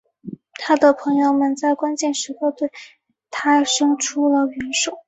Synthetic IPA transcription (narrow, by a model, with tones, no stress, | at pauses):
t̪ʰa˥d̪ə˨pʰɤ˧˥ŋjo˧ʊmə˨˩nt͡sa˥˩ɪkwa˥nt͡ɕjɛ˥˩nʂɻ̩˧˥xo˥˧t̪we˥˩ɪ | t̪ʰa˥ʂɤ˥ŋʈ͡ʂʰu˥lə˨ɥɛ˧˥nʂo˨˩˦ʊ˦